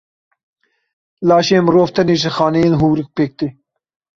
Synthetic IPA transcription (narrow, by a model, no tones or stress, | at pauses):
lɑːʃeːmɾoːft̪ʰɐneːʒɪxɑːnɛeːnɦuːwɾɨk̚peːk̚t̪e